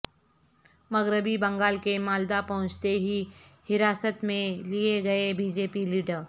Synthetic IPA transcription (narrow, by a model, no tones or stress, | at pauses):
mɐɣɾɪbibɐ̃ŋɡaːlkemaːld̪apɐɦʊ̃t͡ʃt̪eɦihɪɾaːsət̪mẽlieɡɐebiːd͡ʒeːpiliːɖəɾ